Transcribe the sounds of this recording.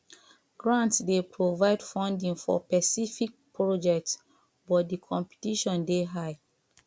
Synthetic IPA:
ɡ̥ɹãntsdepɹovaɪdfɔ̃ndĩŋfɔ̰pɛsifik̚pɹɔd͡ʒɛk̚ts | bɔt̚dikʰɔ̃mpi̥tiʃɔ̃ndeɦaɪ

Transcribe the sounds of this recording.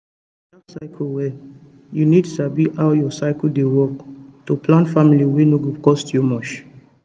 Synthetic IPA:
dasaɪkʰlwɛ | junid̚tusabiʔaʊjɔsaɪkldewɔktopʰlãntfamiliwenoɡukɔstʰjumɔt͡ʃ

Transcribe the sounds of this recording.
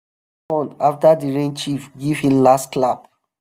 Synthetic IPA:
ɔ̃naftadiɹẽnt͡ʃifɡiv̥hĩmlastklab

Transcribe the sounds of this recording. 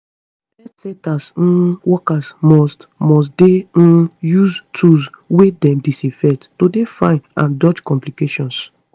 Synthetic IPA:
ɛtsɛ̃tas̩wɔkasmɔstmɔs̬dẽjuztʰuswedɛ̃mdisifɛttodefã̰ɪ̃nã̰ndɔd͡ʒkɔ̃mplikeʃɔ̃ns

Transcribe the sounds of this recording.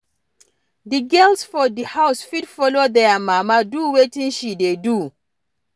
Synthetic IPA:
diɡɛlsfɔdihaʊsfidfɔlodɛamamaduwetĩnʃidedu

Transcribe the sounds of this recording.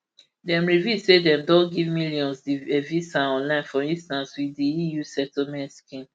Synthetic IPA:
dɛ̃mɹivjuzsedɛ̃mdɔ̃ɡivmiljɔ̃nsdiɛvisãɔ̃nlãɪ̃nfɔĩnstãnswiðiijusɛtlmɛ̃ntskĩn

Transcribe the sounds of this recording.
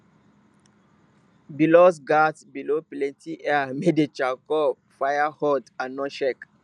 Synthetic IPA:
bilos̬ɡatbiloplɛ̃ntʰiʔɛamedet͡ʃakɔ | fajahɔtãnːɔ̃ʃɛk

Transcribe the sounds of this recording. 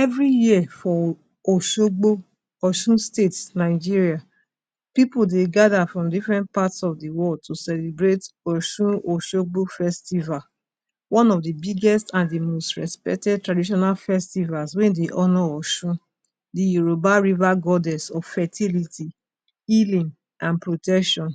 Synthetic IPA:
ɛvɾijifɔ | oʃoɡ͡bo | ɔʃũstetsnaɪd͡ʒiɹia | pipodeɡadafɹɔ̃mdifɹɛ̃nt̚patsɔfdiwɔtʰusɛlebɹetɔʃũoʃoɡ͡bofɛstival | wɔ̃nɔvdibiɡɛstãndimostɹɛspɛ̰k̚tɛd̚tɹadiʃ̬ɔnalfɛstivalswɛ̃ndeʔɔnɔ̃ɔʃũ | dijuɾobaɹivaɡɔdɛsɔv̥fɛtʰilitʰi | ilĩŋ | ãnpɹotɛkʃɔ̃n

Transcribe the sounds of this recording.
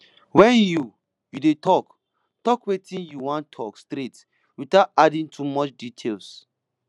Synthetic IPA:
wɛ̃nju | judetʰɔk | tɔkwetĩnjuwãntʰɔkstɾet | witaʊtadĩntʰumɔt͡ʃditʰels

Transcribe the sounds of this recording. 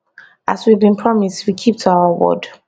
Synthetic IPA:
ʔaswiavbĩnpʰɹ̥ɔmistwikʰip̚tʰawʊəwɔ̰d

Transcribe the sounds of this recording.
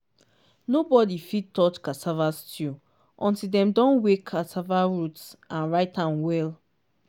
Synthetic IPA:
nobɔdifid̚tɔt͡ʃkatʰavastʰu | ʔɔ̃ntidɛ̃mdɔ̃nwekʰːatʰavaɹutsãnɹaɪtãnwɛl

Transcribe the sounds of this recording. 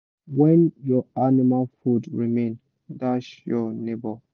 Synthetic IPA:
wɛ̃njɔanimalfudɹimẽn | daʃjɔnebɔl

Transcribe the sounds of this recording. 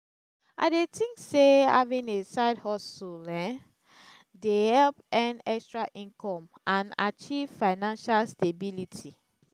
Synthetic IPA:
a̰ɪdetĩŋkseha̰vĩnesaɪdhɔsulɛ̃ | dehɛlpɛ̃nɛkstɹaʔĩnkʰɔ̃m | ãna̰t͡ʃiv̥faɪnãnʃalstebilitʰi

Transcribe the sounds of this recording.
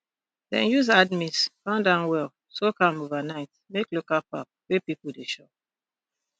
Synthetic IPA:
ðɛ̰̃njuzadmiskãndãʊ̃nwɛlˠ | sokʌ̃movanaɪt | meklokapap̚wepipl̩ˠdeʃɔp̚

